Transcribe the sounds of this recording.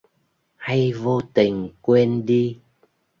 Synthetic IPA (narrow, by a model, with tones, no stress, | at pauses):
ha˧jvo˧t̪ï˨˩ŋ̟kwɛ˧nɗi˧